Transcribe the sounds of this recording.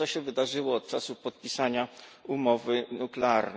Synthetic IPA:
ɔɕɛvɘd̪aʐɘwɔːt̪̚t͡ʂasupɔt̪̚pʲisaɲaumɔvɘnuklɛaɾn

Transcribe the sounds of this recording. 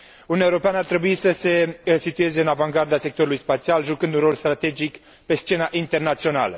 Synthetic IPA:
ununaeuɾo̞peanəart̪ɾe̞buisəse̞sit̪ue̞ze̞ɨnavaŋɡard̪ase̞k̚t̪o̞ɾulujspat̪sialʒukɨnd̪unro̞lst̪ɾat̪e̞d͡ʒik | pe̞st͡ʃe̞naʔint̪e̞rnat̪sio̞na̰lə

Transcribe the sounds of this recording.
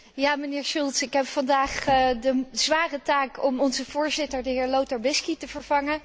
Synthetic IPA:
jaːmənɪːɹʃulˠtsɪkɦɛpfɑndaːχdəzʋaːrətaːkɔmɔnzəvʊːɹzɪtəɹdəɦɪːɹlowtəɹbɪskitəv̥əɹv̥ɑŋə

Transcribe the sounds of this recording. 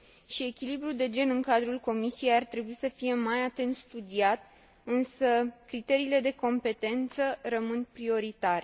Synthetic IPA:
ʃie̞kʲilibɾuld̪e̞d͡ʒe̞nɨŋkad̪ɾulko̞misije̞jart̪ɾe̞buisəfije̞majat̪e̞nt̪st̪ud̪iat̪ | ɨnsəkɾit̪e̞ɾiːle̞d̪e̞ko̞mpe̞t̪e̞nt̪sərəmɨnpɾio̞ɾit̪aɾe

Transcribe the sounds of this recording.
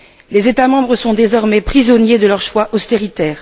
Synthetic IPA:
lezet̪amɑ̃bʁəsɔ̃d̪ezɔʁmɛpχizɔnjed̪əlœʁʃwaʔɔst̪eʁit̪ɛːʁ

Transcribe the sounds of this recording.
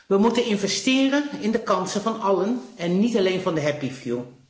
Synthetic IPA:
ʋəmutənɪnvɛstɪːrəɪndəkɑnsəvɑnɑlənɛnːitaleːnvɑndəɦɛpifju

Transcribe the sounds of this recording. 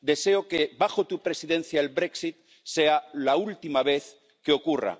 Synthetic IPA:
d̪e̞seokeβaxot̪upɾe̞siðẽ̞n̟θjaelβɾeksit̪̚ | sealault̪imaβ̞e̞θ | keo̞kura̰

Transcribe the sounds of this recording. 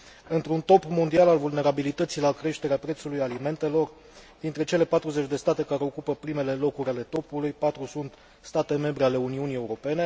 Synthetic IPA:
ɨnt̪ɾunt̪o̞pmo̞nd̪ialalvulne̞ɾabilit̪ət̪silakɾe̞ʃt̪e̞ɾeapɾe̞t̪sulujalime̞nt̪e̞lo̞r | d̪̥int̪ɾe̞t͡ʃe̞le̞pat̪ɾuze̞t͡ʃʲd̪e̞st̪at̪e̞kaɾe̞o̞kupəpɾime̞le̞lo̞kuɾʲale̞t̪o̞pulujpat̪ɾusunt̪ | st̪at̪e̞me̞mbɾeale̞uniunie̞uɾo̞pe̞ne̞

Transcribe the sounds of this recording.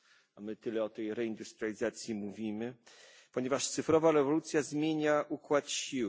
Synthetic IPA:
amɘt̪ɘlɛɔt̪ɛjɾɛind̪ust̪ɾialʲizat̪sʲjimuvʲimɘ | pɔɲevaʂt̪sɘfɾɔvaɾɛvɔlut̪sʲjazmʲjeɲaʔukwat̪ɕiw

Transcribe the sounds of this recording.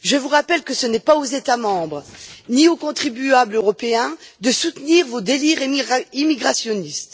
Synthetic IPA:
ʒəvuʁapɛlkəsənɛpaozet̪amɑ̃bʁəniokɔ̃t̪χibyabløʁɔpeɛ̃d̪əsut̪niʁvod̪eliʁimiɡʁasjɔnist̪

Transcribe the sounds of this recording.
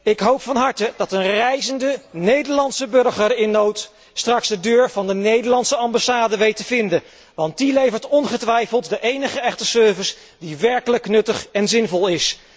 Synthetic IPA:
ɪkɦowpfɑnɦɑɹtədɑtənrɛjzəndənejdəɹlɑntsəbɵɹχəɹɪnːowt | strɑksdədøːɹv̥ɑndənejdəɹlɑntsəɑmbasaːdəʋejtəvɪndə | ʋɑnt̚dilejvəɹtɔnχətʋɛjfəlˠtdəʔejnəχəɛχtəsøɹvəs | diʋɛɹkələknɵtəχɛnzɪnvɔlˠɪs

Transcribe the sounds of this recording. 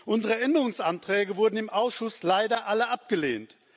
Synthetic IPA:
ʔʊnzəʁəʔɛndəʁʊŋsʔantʁ̥ɛːɡəvʊɐdn̩ɪmʔaʊsʃʊslaɪdɐʔaləʔap̚ɡ̥əlḛːnt

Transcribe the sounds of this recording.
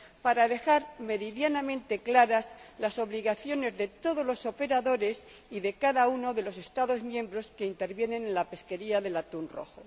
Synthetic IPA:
paɾaðe̞xaɾme̞ɾiðjanamẽ̞nt̪e̞klaɾaslaso̞βliɣaθjo̞ne̞zðe̞t̪o̞ð̞o̞zlo̞so̞pe̞ɾaðo̞ɾe̞s | iðe̞kaðauno̞ðe̞lo̞s̬e̞st̪aðo̞zmjembɾo̞ske̞int̪e̞ɾβje̞nẽ̞nenlape̞ske̞ɾiaðe̞lat̪unro̞̰xo

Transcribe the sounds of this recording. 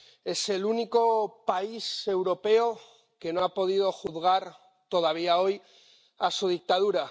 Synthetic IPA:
e̞se̞luniko̞paise̞wɾo̞pe̞o | ke̞noapo̞ð̞ið̞o̞xuðɣ̞aɾ | t̪o̞ðaβ̞iao̞j | asuð̞ik̚t̪aðuɾa

